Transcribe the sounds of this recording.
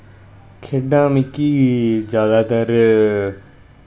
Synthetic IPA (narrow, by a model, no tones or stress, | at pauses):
kʰeːɖãːmɪkːiːd͡ʒjaːd̪aːt̪əɾ